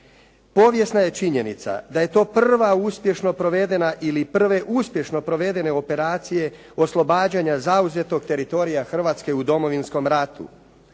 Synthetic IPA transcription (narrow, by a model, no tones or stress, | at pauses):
po̞ːʋje̞snaje̞t͡ʃiɲe̞nit̪sa̰d̪aje̞t̪o̞ːprr̩ʋauspje̞ʃno̞pɾo̞ʋe̞d̪e̞naʔilipr̩ʋe̞ʔuspje̞ʃno̞pɾo̞ʋe̞d̪e̞ne̞o̞pe̞ɾaːt̪sije̞ | o̞slˠo̞baːd͡ʑaɲazauze̞t̪o̞ɡ̚t̪e̞ɾit̪o̞ɾijaxr̩ʋaːt̪ske̞ud̪o̞mo̞ʋinsko̞mɾat̪ṵ